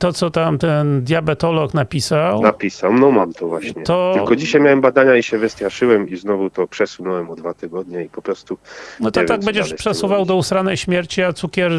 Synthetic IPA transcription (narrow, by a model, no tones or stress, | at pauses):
t̪ɔt̪sɔt̪amt̪ɛnd̪ʲjabɛt̪ɔlɔknapʲisawnapʲisawmnɔmamt̪ʰɔvwaɕɲɛt̪ɔlkɔd͡ʑiɕajmjawɛmbad̪aɲaiɕɛvɘst̪ʲjaʂɘwɛmiznɔvut̪ɔpʂɛsunɔwɛmɔd̪d̪vat̪ɘɡɔd̪ɲɛipɔpɾɔst̪unɔt̪ɔvaɡ̚bɛɲd͡ʑɛʂpʂɛsuvawd̪ɔusɾanɛjɕmʲjɛɾt͡ɕiat̪sukʲɛɾ